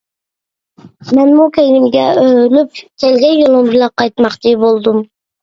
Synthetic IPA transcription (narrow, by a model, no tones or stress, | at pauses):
mɛnmukʲejnɪmɡʲɛølyp̚kʲʰelɡʲɛnjolˠumbɪlɛqɑjt̪mɑqt͡ʃʰibolˠd̪um